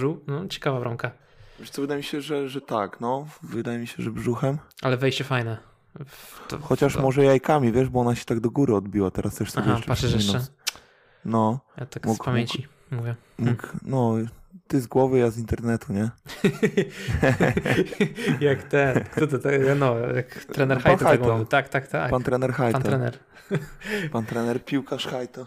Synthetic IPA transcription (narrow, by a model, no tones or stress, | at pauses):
ʐɨwnɔt͡ɕɛ̥kavabɾɔŋka | vʲet̪sɔvɨd̪ajmʲiɕɛʐɛʐɛt̪aknɔvɨd̪ajɛmʲiɕɛʐɛbʐuxɛmʔalɛvɛjɕt͡ɕɛfajnɛ | ɔ̰xɔt͡ɕaʂmɔʐɛjajkamʲivʲjɛʐbɔɔnaɕɛ̥t̪aɡd̪ɔɡuɾɘɔd̪̚bʲiwat̪ɛɾʔast̪ɛʂsaɔbʲapat̪ʂɛʂ̬jɛʂnɛ | nɔt̪akmuspamjeɲt͡ɕi | muvʲjɛ | muknɔt̪ɘzɡwɔvɘjazint̪ɛɾnɛt̪uɲɛ | jakt̪ɛnkt̪ɔt̪ɛt̪ɛanɔjak̪ɾɛnɛɾxaanxajɡ̪uvit̪akt̪akt̪apant̪ɾɛnɛɾxajtanɔɾɛnɛɾ | pant̪ɾɛnɛɾpʲiwkaʂxajt̪ɔ